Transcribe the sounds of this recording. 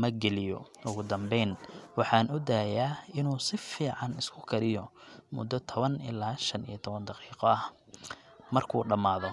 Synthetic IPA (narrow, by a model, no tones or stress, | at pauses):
mɐɡɛlɪjɔ̰ | ʊɣʊd̪ɐmbɛjnwɑħɑːnʊd̪aːjaːɪnuːsɪfiːʕɑnɪskʰʊkʰɐɾɪjɔmʊ̰d̪ːɔt̪ʰɔβɐnɪ̰laːʃɐnḭjɐt̪ʰɔβɐnd̪ɑqiːqɔɐh | mɐrkʰuːɖɐmaːðɔ